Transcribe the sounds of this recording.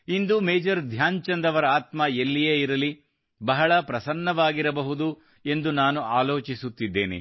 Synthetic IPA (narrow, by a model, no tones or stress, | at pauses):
ind̪umeːd͡ʒɐɾd̪ʱjaːɲt͡ʃɐnd̪ɐʋɐɾɐaːt̪mɐelːijeːiɾɐli | bɐɦɐɭɐpɾɐsɐnːɐʋaːɡiɾɐbɐɦud̪u | e̞nd̪unaːnuʔaːlo̞ːt͡ʃisut̪ːid̪ːḛːnḭ